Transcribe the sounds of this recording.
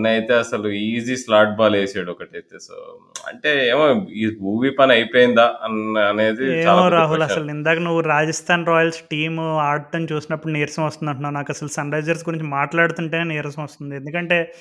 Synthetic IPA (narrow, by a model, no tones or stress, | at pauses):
nɐjt̪e̞ːɐsɐluiːziːslaːʈ̚baːleːsaːɽɔkɐʈɐjt̪eːso̰ːɐ̰ɳʈe̞ːeːmoimuːʋiːpɐnɐjpoːjind̪aːɐɐne̞ːd̪ieːaːmloɾaːɦulɐsɐlind̪aːkɐnuʋːuɾaːd͡ʒɐst̪ʰaːnɾɔːjɐlsʈiːmaːɾ̚ʈɐnt͡ʃuːsinɐpːuɽuniːɾɐsɐmʋɐst̪und̪ɐɳʈunːaːɾunaːkɐsɐlusɐnɾɐjd͡ʒɐɾs̬ɡuɾiɲt͡ʃimaːʈlaːɽut̪uɳʈeːneːniːɾɐsɐmʋɐst̪und̪iend̪ukɐɳʈe̞ː